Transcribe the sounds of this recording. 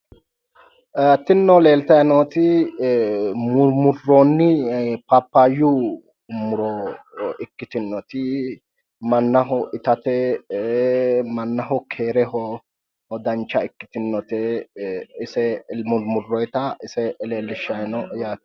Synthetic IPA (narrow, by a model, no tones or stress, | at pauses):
t̪ɪnːɔle̞ːlt̪ɐjnɔt̪ɪ | mʊmʊrːoːnːɪpɐpːajʊ | mʊɾɔ | ɪkːɪt̪ɪnːɔt̪ɪ | mɐnːɐɦɔʔɪt̪ɐt̪ɛ | mɐnːɐɦɔkʰeːɾɛhɔ | hɔd̪ɐnt͡ʃːɐɪkːɪ̥t̪ɪnːɔt̪ɛ | ɪsɛmʊmʊrːɔjt̪ɐɪsɛle̞ːlːɪʃːɐjnɔʔjaː